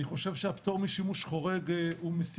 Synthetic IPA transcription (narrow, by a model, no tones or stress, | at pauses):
iχo̞ʃevʃeapt̪oʁmiʃimuʃχo̞ʁeɡumes